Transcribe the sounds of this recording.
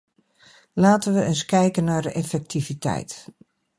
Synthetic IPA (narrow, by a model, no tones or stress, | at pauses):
laːtənʋəənskɛjkənːaɹdəʔɛfɛk̚tʰivitʰɛ̰jt